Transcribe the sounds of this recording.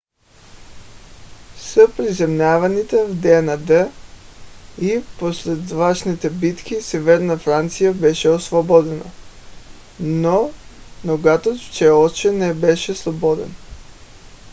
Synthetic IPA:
səpɾizɛmnʲavanit̪ɛvd̪ɛɛnad̪ə | iposlɛd̪vaʃnit̪ɛbit̪kisɛvɛɾnafɾant̪sijabɛʃɛosvɔbɔd̪ɛna̰ | no | noɡat̪ot̪t͡ʃɛɔt͡ʃɛnɛbɛʃɛslˠɔbɔd̪ɛ̰n

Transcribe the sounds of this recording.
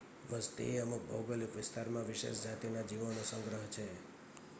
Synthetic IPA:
ʋəst̪ḭeəmuk̚bɔ̰wɡəlikʋɪst̪aɾmãʋɪʃḛsd͡ʒat̪inad͡ʒiʋənosə̃ŋɡɾəɦt͡ʃʰe

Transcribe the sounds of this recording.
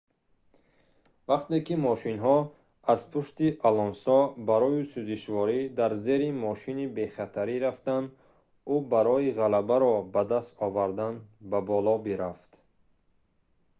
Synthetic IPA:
vaqt̪ekimɔʃinɦɔ | azpʰuʃt̪iʔalɔnsɔbaɾɔisuziʃvɔɾid̪aɾze̞ɾimɔʃinibe̞χat̪ʰaɾiɾaft̪and̪ | ubaɾɔiʁalabaɾɔbad̪ast̪ɔvaɾd̪anbabɔlɔbiɾaft̪

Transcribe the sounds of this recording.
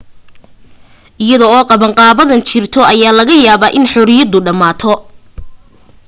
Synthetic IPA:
ʔɪjɐðɔɔːqɑβɐɴqɑːβɐðɐnt͡ʃɪrt̪ʰɔʔɐjaːlɐɣɐjaːβaːʔɪnħɔɾɪjɐd̪ʊɖɐmaːt̪ʰɔ

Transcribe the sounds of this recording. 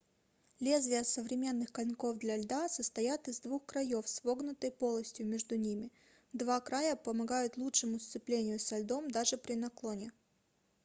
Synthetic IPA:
lʲe̞zvʲɪjəsəvɾʲɪmʲe̞nːɨxkɐlʲnko̞vd̪lʲɐɐlʲd̪asəst̪ɐjat̪ɨzd̪vuxkɾɐjo̞fsvo̞ɡnʊt̪əjpo̞lˠəsʲtʲjʊmʲeʐd̪ʊnʲimʲɪ | d̪vakɾajəpəmɐɡajʊt̪lˠutʂɨmʊst̪sɨplʲenʲɪjʊsɐlʲd̪o̞md̪aʐɨpɾʲɪnɐklˠo̞nʲɪ

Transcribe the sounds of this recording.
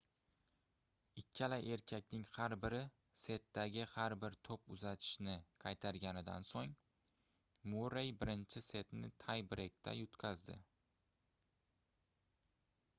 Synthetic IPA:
ɪkʲʰːalaʔe̞ɾkʲʰakʲnɪŋhaɾbɪɾɪ | se̞t̪ːaɡʲɪhaɾbɪɾt̪ʰopʊzat̪ʰɪ̥ʃnɪqʰɑjt̪ʰaɾɡʲanɪd̪a̰nsoŋ | muɾejbɪɾɪnt͡ʃʰɪse̞t̪nɪ̰t̪ʰajbɪɾʔek̚ʲt̪ʰa̰jʊt̪kʲʰazd̪ɪ̰

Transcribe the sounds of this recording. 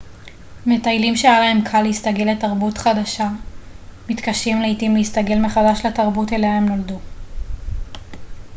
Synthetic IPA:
me̞tajlimʃejalaɦe̞mkʰaleistaɡe̞lːetaʁbutχadaʃa | mitkaʃimleitimleistaɡe̞lmeχadaʃlataʁbuteleemno̞ldu

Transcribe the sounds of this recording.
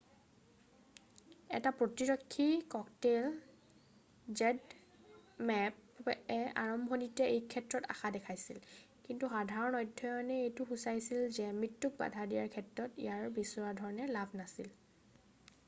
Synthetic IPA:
ɛ̰tapɹotiɹɔkʰːikɔktel | zɛd | mɛpɛaɹɔmbʱɔnitɛejkʰɛtɹɔta̰xadɛkʰajsḭl | kintuxadʱaɹɔnɔjdʱːɔjɔnɛejtʊxusajsilzɛmɹitːuk̚ba̰dʱadijaɹkʰɛtɹɔtḭjaɹbisɔwadʱɔɹɔnɛlabʱnasil

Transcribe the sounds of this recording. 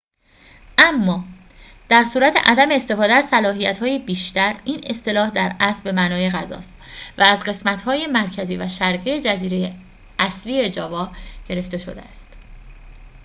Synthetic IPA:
ʔæmːɒː | d̪̥æɾsuːɾæt̪ʰe̞̰ʔæd̪æmeːst̪e̞fɒːd̪eæzsælɒːɦijæt̪hɒːjebiːʃt̪æɾiːne̞st̪e̞lɒːhd̪æɾæsbbe̞mænɒːje̞ɣæzɒ̰ːst̪væːzɢe̞smæt̪ʰhɒːje̞mæɾcʰæziːvæʃæɾɢijed͡ʒæziːɾe̞je | æsviːe̞d͡ʒɒːvɒːɟ̥e̞ɾe̞ft̪e̞ʃo̞d̪eæst̪

